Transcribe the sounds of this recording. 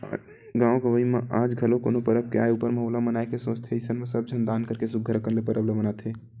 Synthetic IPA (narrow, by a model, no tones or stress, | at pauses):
ɡãːõɡəʋəimẽʔaːd͡ʒɡʱəlõko̰nopəɾəp̚keaeupəɾmeɦoːlamənaekesõːt͡ʃt̪ʰeɪsənmesəb̚d͡ʒʱənd̪aːnkəɾkesuɡʱəɾkənlepəɾəbləmənat̪ʰɦeː